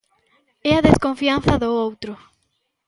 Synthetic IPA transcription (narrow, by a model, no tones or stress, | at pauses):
ɛaðeskõɱfianθɐðoowt̪ɾʊ